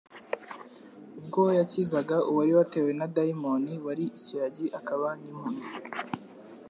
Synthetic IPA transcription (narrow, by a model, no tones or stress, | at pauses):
ub̚ɡojacizaɡaʔuwaɾiwate̞ːwe̞nadaimoniwaɾiʔiciɾaɟiʔakaβanimhuno